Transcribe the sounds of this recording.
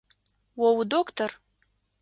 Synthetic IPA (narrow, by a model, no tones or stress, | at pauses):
wawdokʰtʰor